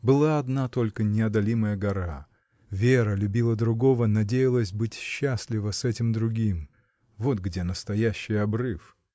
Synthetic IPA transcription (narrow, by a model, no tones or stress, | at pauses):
bɨlˠaɐd̪nat̪o̞lʲkənʲɪɐd̪ɐlʲiməjəɡɐɾa | vʲeɾəlʲʉbʲilˠəd̪ɾʊɡo̞vənɐdʲejɪlˠəsʲbɨtʲɕːasʲlʲɪvəsɛtʲɪmd̪ɾʊɡʲim | vo̞t̪ɡdʲenəst̪ɐjæɕːɪjɐbrɨf